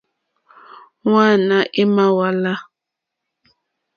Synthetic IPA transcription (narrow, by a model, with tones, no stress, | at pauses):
wa˦˨na˨ʔi˦ma˦wa˦la˦